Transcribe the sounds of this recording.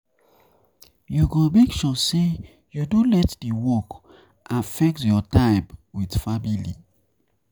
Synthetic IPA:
juɡomekʃɔse | judulɛtdiwɔk | ʔafɛk̚tjɔtãɪbwidfamilḭ

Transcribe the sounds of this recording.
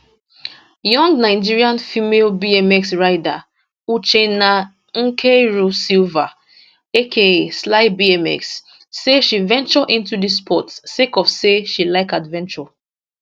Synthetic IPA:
jɔ̃ŋɡnaɪd͡ʒiɹiãnfimelbiɛmɛksɹaɪda | ut͡ʃena | ŋ̩kʰeɹusilva | ekʰeslaɪbiɛmɛ̰ksː | eʃivɛ̃nt͡ʃɔʔĩntudis̬pʰɔtsekɔfseʃilaɪkadvɛ̃nt͡ʃɔ

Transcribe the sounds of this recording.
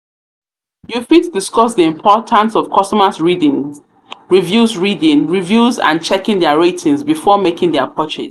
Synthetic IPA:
jufitdiskɔs̬ðiɪ̃mpʰɔtʰãnsɔv̥kʰɔstɔməzɹidĩn | ɹivjuzɹidĩnɹivjuzã̰nt͡ʃɛkɪ̃ŋðɛəɹetʰĩŋzbifɔmekɪ̃ŋðɛapʰɔt͡ʃɪ̰z̥

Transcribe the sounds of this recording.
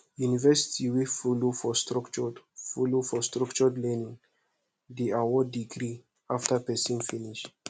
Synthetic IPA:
junivɛsi̥tʰiwefulofɔstɾɔkt͡ʃɔdfulofɔstɹɔkt͡ʃɔdlɛnĩŋ | deawɔdiɡɾi | aftəpɛsĩnfiniʃ

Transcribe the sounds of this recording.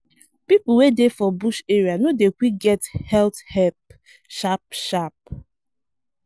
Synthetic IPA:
pipʊwedefɔbuʃeɹianodekʷiɡɛthɛlthɛp | ʃap̚ʃap̚

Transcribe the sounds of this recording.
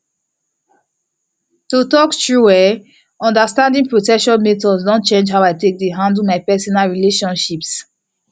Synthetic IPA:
totɔktɹuwɛ | ɔ̃ndastãndĩŋpɹotɛkʃɔ̃nmetɔsdɔ̃nt͡ʃẽnd͡ʒɦawaɪtek̚deɦãndl̩maɪpɛsɔnalɹileʃɔ̃nʃips

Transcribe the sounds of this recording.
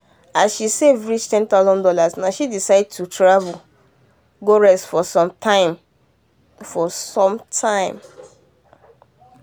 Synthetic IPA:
asʃisevɹit͡ʃtʰɛ̃nt̪aʊzɔ̃ndɔlasnaʃidisaɪd̚tʰutʰɹavul | ɡoɹɛsfɔsɔ̃mtʰãɪ̃m | fɔsɔ̃mtʰãɪ̃m

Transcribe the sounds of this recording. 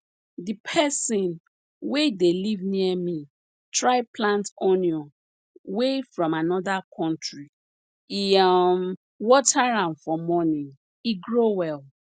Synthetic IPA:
dipʰɛsĩn | wedelivniɛmi | tɹaɪplãntoniɔ̃n | wefɹɔ̃manɔdakʰɔ̃ntɹi | iɔm | wɔtʰaɹãnfɔmɔnĩ | iɡɹowɛl

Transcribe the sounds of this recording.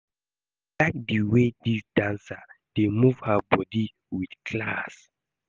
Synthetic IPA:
laɪk̚diwedisdãnsad̥emuv̥habɔdi | widkʰlas

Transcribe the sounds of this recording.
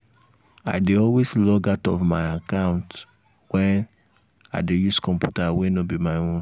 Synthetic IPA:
aɪdeɔlweslɔɡatɔ̰vmaɪakãʊ̃nt | wɛ̃n | aɪdejuskɔ̃mpjutawenobimaɪɔ̃

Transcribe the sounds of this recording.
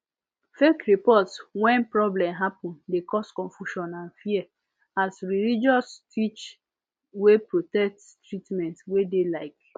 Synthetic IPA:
fekɾipɔtswɛ̃npɹɔblɛ̃mɦapɔ̃ndekɔskɔ̃ɱfuʃɔ̃nãnfiɛ | asɹilid͡ʒɔstit͡ʃ | wepɹotɛk̚t | tɹitmɛ̃ntwedelaɪk̚

